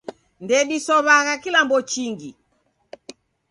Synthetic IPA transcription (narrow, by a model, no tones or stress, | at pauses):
ndɛɗisɔβaɣakilambɔt͡ʃiŋɡi